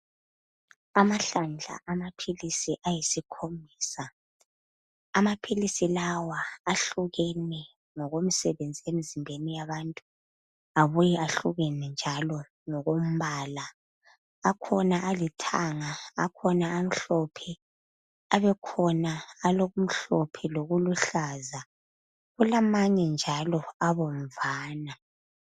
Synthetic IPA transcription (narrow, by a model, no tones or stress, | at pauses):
amaɬand͡ɮʱa̰ʔamapʰilisiʔajisikʰombʱiːsa | amapʰilisilawaːɬuɣɛnɛ | ŋɔɣom̩sɛβend͡zʱiemizimbʱenijaβantʼu | aβujɛaɬuɣɛnɛnd͡ʒʱalɔ | ŋɔɣom̩βalaː | kʰɔnaʔalitʰaŋa̰ːkʰɔnaam̩ɬɔpʰɛ | aβɛkʰɔnaːloɣum̩ɬɔpʰɛloɣuluɬaza | ɣulamaɲɛnd͡ʒʱalɔaβoɱ̩vaːna